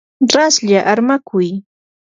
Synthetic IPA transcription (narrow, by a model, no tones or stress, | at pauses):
ɾasʎaʔaɾmakʰʊj